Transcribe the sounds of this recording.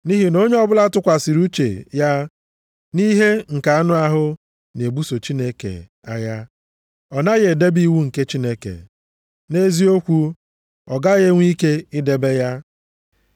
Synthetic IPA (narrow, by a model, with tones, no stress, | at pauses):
ni˦ɦi˨no˦ɲe˦ɔ˦bʊ˦la˦tʊ˦kʷa˨si˨ɾu˦t͡ʃḛ˨ja˦ | ni˦ɦe˦ŋ̩˨ka˨a˦nʊ˦a˦ɦʊ˦ | ne˨bu˦so˨t͡ʃi˦ne˦kḛ˨ | a˦ja˦ | ɔ˨na˦ɣe˨de˦bi˦wu˦ŋ̩˨ke˦t͡ʃi˦ne˦kḛ˨ | ne˦zi˦o˦kʷu˦ | ɔ̰˨ɡa˦ɣe˦ŋʷi˦ke˦ɪ˦de˨be˦ja˦